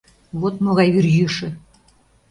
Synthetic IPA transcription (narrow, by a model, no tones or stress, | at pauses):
βot̪moɣɑjβyrjyʃɘ̆